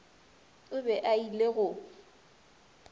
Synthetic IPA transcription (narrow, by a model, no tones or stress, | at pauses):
ʊbɛʔaileɣʊ